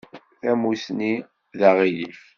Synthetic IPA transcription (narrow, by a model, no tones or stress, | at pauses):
æmusni | ðaʁilif